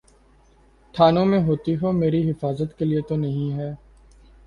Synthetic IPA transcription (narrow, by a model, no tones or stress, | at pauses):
ʈʰaːnõmẽɦoːt̪iɦoːmeːɾiɦɪfaːzət̪keliet̪onɐɦĩɦɛː